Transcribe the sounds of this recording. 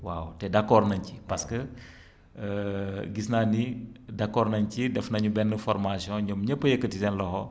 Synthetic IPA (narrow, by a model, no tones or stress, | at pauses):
wawtɛdakɔːɾnɐɲcipɐskə | ɡisnaːnidakːɔɾnɐɲcidɛfnɐɲubɛnːəfɔɾmasijɔ̃ɲɔmɲəpːəjəkːətisɛnlɔhɔ